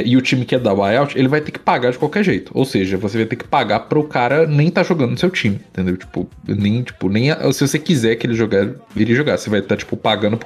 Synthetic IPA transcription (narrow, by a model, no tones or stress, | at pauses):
ʔɪʊt͡ʃĩmɪkɪɛd̪awajawt͡ʃɪelɪvajt̪ekɪ̥paɡaɾd͡ʒɪkwawkɛɾʒejt̪ʊ̥o̰wseʒɐvosevajt̪eɾkɪ̥paɡapɾɐʊkaɾɐnẽj̃t̪aʒoɡɐ̃nd̪ʊnʊsewt͡ʃĩmɪ̃t̪ẽnd̪ewt͡ʃi̥pʊ̰nẽj̃t͡ʃi̥pʊnẽj̃aʔsɪvosekizɛɾkɪelɪʒoɡaiɾiɐʒoɡaɾsevajt̪at͡ʃi̥pʊpaɡɐ̃nd̪ʊp